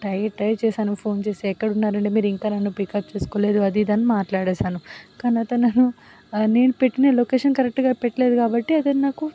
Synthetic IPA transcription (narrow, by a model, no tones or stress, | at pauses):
ʈɐjʈɐjt͡ʃɛːʃaːnɐpʰo̞ːnt͡ʃe̞ːseːkːɐɽunːaːɾɐɳɖimiːɾiŋkaːnɐnːupikɐp̚t͡ʃe̞ːsu̥koːle̞ːd̪uɐd̪iːd̪ɐnːimaːʈlaːɽeːʃaːnukɐːnat̪ɐnɐnːu | ne̞ːnupeʈːineːloːkeːʂɐnkɐɾek̚ʈɡaːpeʈːɐle̞ːd̪ukaːbɐʈːiɐd̪ennaːku